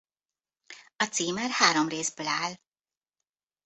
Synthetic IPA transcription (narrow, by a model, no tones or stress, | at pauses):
ɒt̪siːmɛrhaːɾomreːzbøːlaːl